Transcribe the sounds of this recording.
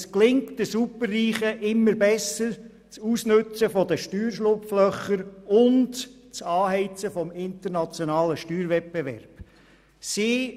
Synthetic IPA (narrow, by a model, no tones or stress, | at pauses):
sklɪŋtdəsupərːiːχəʔɪmːəɾbɛsəɾ | t͡suːsnɵt͡səfɔd̪əʃtyːɾʃlʊpflœχəɾʊnt | t͡sɑːhɛɪt͡səfɔmɪnt̪əɾnɑt͡sjɔnɑːləʃtyːɾʋɛt̚b̥eʋɛ̰ɾb̥ | si